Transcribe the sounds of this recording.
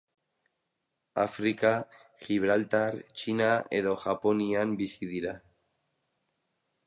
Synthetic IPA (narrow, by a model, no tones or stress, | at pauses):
afɾika | xiβ̞ɾalt̪aɾt͡ʃinaḛðoxaponianbisiðiɾa